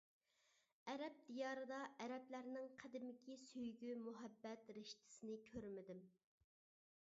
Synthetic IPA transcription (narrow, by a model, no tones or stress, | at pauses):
ɛɾɛp̚d̪ijɑːɾɨd̪ɑʔɛɾɛplæɾnɪŋqʰæd̪ɪmɪkʲʰisøjɡʲymuɦɛbːɛt̪ɾɪʃt̪ʰɪ̥sɪnɪkʲʰøɾmɪd̪ɪm